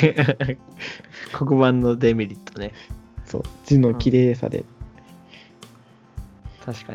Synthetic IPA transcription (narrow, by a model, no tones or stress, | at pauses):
kʰokɯ̟bãnːo̞d̪emʲiɾʲit̪ʰːone̞so̞̰ːd͡ʑɨnokʲiɾeːsa̰d̪ḛ | t̪ʰaɕi̥ka